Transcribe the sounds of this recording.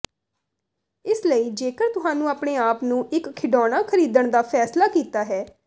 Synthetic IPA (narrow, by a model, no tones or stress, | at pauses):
ɪsləiːd͡ʒeːkəɾt̪ʊɦãːnũːaːpɽeːaːpnũːʔɪkʰːɪɖɔːɽ̃aːkʰəɾiːd̪əɳd̪aːpʰɛːslaːkiːt̪aːɦɛː